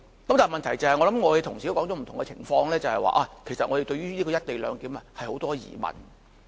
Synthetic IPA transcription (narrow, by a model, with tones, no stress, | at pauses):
kɐ˦mt̪aː˨˩mɐ˨nt̪ʰɐ˨˩jt͡sɐ˨whɐ˨jŋɔ˨˧lɐ˨˥mŋɔ˨˧he˨˧jt̪ʰʊ˨ŋsi˨o˦˥kɔː˨˥ŋt͡ʃɔː˨˥m̩˨˩t̪ʊ˨ŋɛ˧t͡sʰɪ̰˨˩ŋfɔː˧ŋlɛː˥t͡sɐ˨hɐ˨jwa̰ː˨˧ʔaː˧kʰe˨˩jsɐ˨t̚ŋɔ˨˧ɾe˨jt̪ɵ˧ɥyː˥liː˥kɔ˧˥jɐ˥t̚t̪e˨jlœ̰ː˨˧ŋkiː˨˥mɐ˨hɐ˨jho˨˥wt̪ɔː˥jḭː˨˩mɐ̰˨˩n